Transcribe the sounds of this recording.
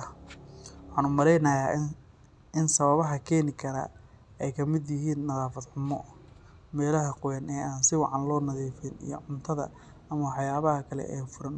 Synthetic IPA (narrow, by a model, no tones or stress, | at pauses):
wħɑːnʊmɐɾɛjnɐjaː | ɪnsɐβɐβɐɦɐkʰɛːnɪkʰɐnɐ̰ | ɛjkʰɐmɪd̪jɪɦiːnːɐðaːfɐd̪ħʊmɔ | mɛːlɐɦɐqʊwɛnɛːʔaːnsɪwɑʕɑnlɔːnɐðiːfɪnḭjɔ̰ʕʊnt̪ʰɐðɐ̰ | ɐmɐwɑħjaːβɐɦɐkʰɐlɛ̰ʔɛːfʊɾɐn